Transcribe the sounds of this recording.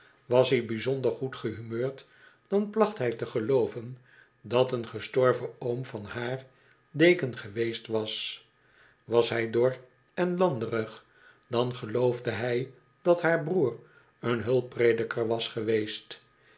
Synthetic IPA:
ʋɑsɦibizondəɹχutχəɦymøːɹt | d̥ɑnplɑχtɦɛjtəχəlowvən | dɑtənχəstɔɹvəowmvɑnhaːɹ | dejkənχəʋejstʋɑs | ʋɑsɦɛjdoɹ | ɛnlɑndərəχ | d̥ɑnχəlowvdəɦɛj | d̥ɑtɦaːɹbruːr | ənɦɵlˠpredəkʰəɹʋɑsχəʋejst

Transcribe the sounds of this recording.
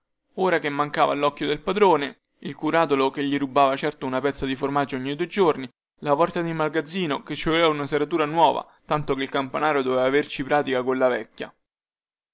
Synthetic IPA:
oːɾakemːaŋkaːvalɔkːjod̪elpad̪ɾoːne | ilkuɾaːt̪olokeʎːiɾubaːvat͡ʃɛrt̪ounapɛt̪sːad̪iformad͡ʒːoɔɲːid̪ued͡ʒorni | lapɔrt̪ad̪imalɡad̪zːiːnoket͡ʃːovɛvaunaseɾat̪uːɾanwɔːva̰ | t̪ant̪okeilkampanaːɾod̪ovɛvaːvert͡ʃipɾaːt̪ikakolːavɛkʲːja̰

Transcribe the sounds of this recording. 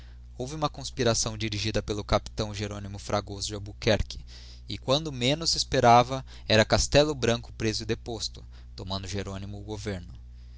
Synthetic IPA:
owvɪũmɐkõspiɾasɐ̃w̃d͡ʒiɾiʒid̪ɐpelʊkapi̥t̪ɐ̃w̃ʒeɾõnimʊfɾʔaɡozd͡ʒabukɛɾkɪ̥ | ɪkwɐ̃nd̪ʊmẽnʊsespeɾavɐ | ɛɾɐkast̪ɛlʊbɾɐ̃ŋkʊ̥pɾezʊɪd̪epost̪ʊ̥ | t̪omɐ̃nd̪ʊʒeɾõnimʊːɡoveɾnʊ

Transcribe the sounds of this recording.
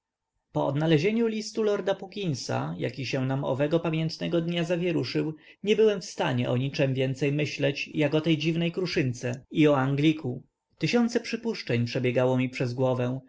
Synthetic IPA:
pɔɔd̪nalɛʑeɲulʲist̪ulɔɾd̪apukʲinsa̰ja̰kʲiɕɛ̃namɔ̰vɛɡɔpamʲjɛnt̪nɛɡɔd̪ɲazavʲjɛɾuʂɘw | ɲɛbɘwɛmfst̪aɲɛ̰ʔɔɲit͡ʂɛmvʲjɛnt̪sɛjmɘɕlɛt͡ɕjakɔt̪ɛjd͡ʑivnɛjkɾuʂɘnt̪sɛiɔaŋɡlʲikʰu | t̪ɘɕɔnt̪sɛpʂɘpuʂt͡ʂɛɲpʂɛbʲjɛɡawɔmʲipʂɛzɡwɔvɛw̃

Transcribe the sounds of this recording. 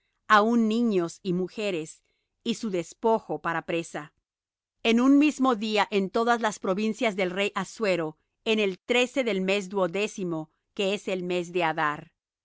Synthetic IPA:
aunːĩɲo̞simuxe̞ɾes | isuðe̞spo̞xopaɾapɾe̞sa | enunmizmo̞ðiaʔent̪o̞ðazlaspɾo̞βinsjazðe̞lre̞jʔasweɾo | ene̞lt̪ɾe̞se̞ðe̞lme̞z̬d̪uoðe̞simo̞ | ke̞eselme̞z̬ðe̞aðaɾ

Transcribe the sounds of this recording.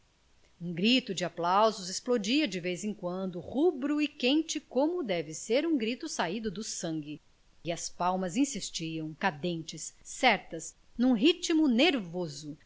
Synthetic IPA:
ũɡɾit̪ʊd͡ʒɪaplawzʊzesplod͡ʒiɐd͡ʒɪvejzẽkwɐ̃nd̪ʊhubɾuɪkẽnt͡ʃɪkõmʊd̪ɛvɪseɾũɡɾit̪ʊsaid̪ʊd̪ʊsɐ̃ŋɡɪ | ɪɐspawmɐzĩsist͡ʃiɐ̃w̃kad̪ẽnt͡ʃɪsːɛɾt̪ɐz | nũɦit͡ʃimʊneɾvozʊ

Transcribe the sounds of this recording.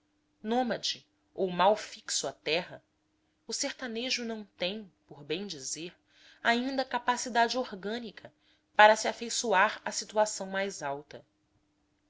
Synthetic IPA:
nõmɐd͡ʒɪ | owmawfiksʊat̪ɛɦɐ | ʊseɾt̪aneʒʊnɐ̃w̃t̪ẽj̃poɾbẽj̃d͡ʒizeɾ | aĩnd̪ɐkapasid̪ad͡ʒɪoɾɡɐ̃nikʰɐ | paɾɐsiafejsuaɾɐsit̪uasɐ̃w̃majzawt̪ɐ

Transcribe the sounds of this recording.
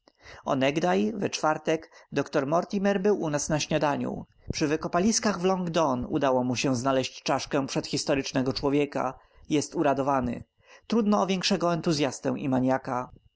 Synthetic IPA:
ɔ̰nɛɡd̪ajvɛt͡ʂfaɾt̪ɛkd̪ɔkt̪ɔɾmɔɾt̪ʲimɛɾbɘwʔunasnaɕɲad̪aɲṵ | pʂɘvɘkɔpalʲiskaɣvlɔŋɡd̪ɔnṵd̪awɔmuɕɛ̃znalɛɕt͡ɕt͡ʂaʂkɛ̃pʂɛt̪xʲist̪ɔɾɘt͡ʂnɛɡɔt͡ʂwɔvʲjɛka̰ | jɛst̪uɾad̪ɔvanɘ̰ | t̪ɾud̪nɔːvʲjɛŋkʂɛɡɔɛnt̪uzʲjast̪ɛ̰̃w̃ʔimaɲjaka

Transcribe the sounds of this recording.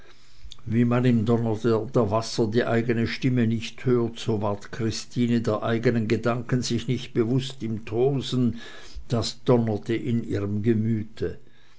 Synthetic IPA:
viːmanɪmdɔnɐtədəɐvasɐdiːʔaɪɡənəʃtɪmənɪçthøːɐtsoːvaɐtkʁ̥ɪstiːnədeːɐʔaɪɡənənɡədaŋkənzɪçnɪçt̚b̥əvʊstɪmtʰoːzən̩ | d̥asd̥ɔnɐtʰəʔɪniːʁəmɡəmyːtʰə

